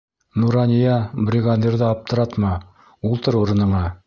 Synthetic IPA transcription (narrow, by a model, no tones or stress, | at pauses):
nuɾɑnʲijɑbrʲɪɡad̪ʲeɾðɤɑp̚t̪ʰɤ̆ɾɑt̪mɑ | ulˠt̪ɤɾuɾɤ̆nɤ̆ɴɑ